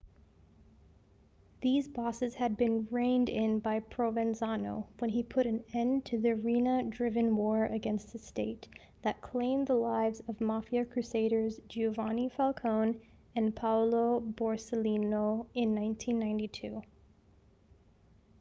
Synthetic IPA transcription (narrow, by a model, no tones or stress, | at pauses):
ðizbɔsɨz̥ɨd̚bɨ̃nɹẽɪ̃ndɪ̃nbaɪpʰɹ̥oʊvɨ̃nzɑnoʊwə̃nipʰʊɾɨ̃nɛ̃ntʰɨðɨ˞ĩnədɹɪvɨ̃nwɔɹɨɡɛ̃nst̪̚ðɨsteɪt̪̚ | ðɨt̚kʰl̥ẽɪ̃mðəlaɪvzʌvmɑfiɨkʰɹ̥ʉseɪɾə˞zd͡ʒʉvɑnifælˠkʰõʊ̃n | ɨ̃npʰaʊloʊbɔɹsəlinoʊɪ̃nːãɪ̃ntʰĩnːãɪ̃ntitʰʉ